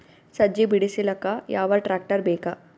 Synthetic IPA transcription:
sɐd͡ʒibiɽisilɐkajaːʋɐʈɾaːk̚ʈɐɾbeːka

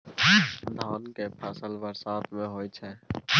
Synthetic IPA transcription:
d̪ʱaːnkepʰəsəlʋəɾsaːt̪mẽɦoːit͡ʃʰɛː

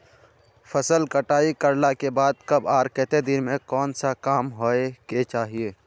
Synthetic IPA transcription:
pʰəsəlkəʈaːikəɾlakebaːd̪̚kɐbaːɾkɛːt̪ed̪ɪɾmẽkɔːnsakaːmɦoeket͡ʃaːɦieː

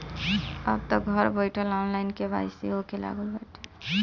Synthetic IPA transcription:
əbt̪ɔɡʱʌɾbəjʈʰəlɔnlaɪnkeba̰jseɦokela̰ɡəlbɛʈʰe̥

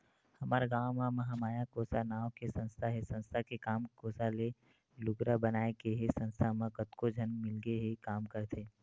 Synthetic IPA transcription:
hɐmaːɾɡaːwmãmɐɦamaːjakoːsanaːwkesɐ̃nst̪ʰaɦɛsɐ̃nst̪ʰakekaːmkoːsale | lʊɡɾabɐnaːekeɦesɐ̃nst̪ʰamə̃kət̪kod͡ʒʱɐnmɪlɡeɦekaːmkəɾt̪ʰeː

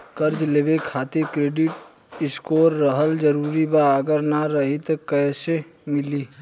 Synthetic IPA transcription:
kəɾd͡ʒleːbekʰaːt̪ekɾeːɖɪʈ | ɪskoːɾːəɦəld͡ʒəɾuːɾibaːɡəɾnaɾəɦɪt̪kɛːse | mɪliː

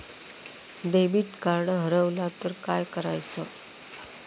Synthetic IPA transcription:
ɖebiːʈkaɾɽɦəɾəʋlat̪əɾkajkəɾa̰jt͡sə

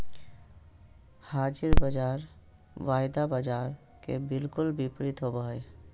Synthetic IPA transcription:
haːd͡ʒɪɾbəd͡ʒaːɾ | ʋaːjd̪abəd͡ʒaːɾ | kḛbɪlkʊlbɪpɾit̪ɦobəɦe

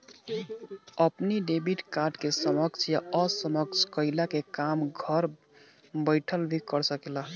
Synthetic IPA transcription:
əpniɖebiʈkaɾɖkesəməkt͡ʃʰjaəsəməkt͡ʃʰkəɪlakekamɡʱəɾ | bəɪʈʰəlbʱikəɾsəkela

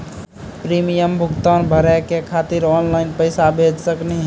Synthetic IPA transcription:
pɾimijəmbʱukt̪ɔnbʱəɾɛkekʰat̪iɾɔnlaɪnpəɪsabʱed͡ʒsəkne

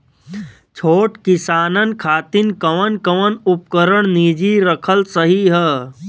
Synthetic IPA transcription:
t͡ʃʰoːʈkɪsaːnənkʰaːt̪ɪnkəʋənkəʋənup̚kəɾəɽ̃nid͡ʒiɾəkʰəlsəɦiɦɛ

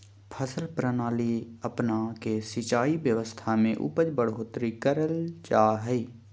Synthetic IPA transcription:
pʰəsəlpɾənaːliəpnakesɪt͡ʃaːibjəʋəst̪ʰamẽʔʊ̰pəd͡ʒbəɽ̤ɦoːt̪ɾikəɾəlt͡ʃaːɦɛi

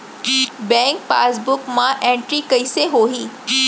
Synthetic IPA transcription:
bɛ̃ŋk̚pa̰ːsbʊkmãʔẽɳʈɾikəiseɦoːɦiː

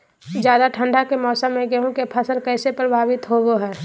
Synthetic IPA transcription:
d͡ʒjaːd̪aʈʰə̃ɳɖʱakemɔːsamẽɡeɦũkepʰəsəlkɛːsepɾəbʱaːbɪt̪ɦoɡoɦɛː

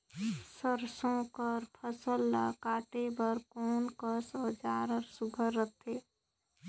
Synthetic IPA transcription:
səɾsõkəɾpʰəsəlːa̰kaːʈebəɾkoːnkəsɔːd͡ʒaːɾəɾsuɡʱəɾːət̪ʰe

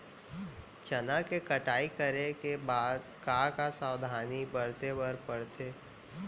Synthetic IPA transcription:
t͡ʃɐnãkekəʈaːikəɾekebaːd̪kakasaːʊd̪ʱaːnibəɾt̪ebəɾpəɽt̪ʰeː

